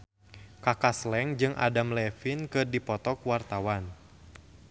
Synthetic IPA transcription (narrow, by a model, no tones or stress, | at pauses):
kakaslɛŋd͡ʒɨŋʔa̰damlɛfinkɨrdipɔt̪ɔkwart̪awan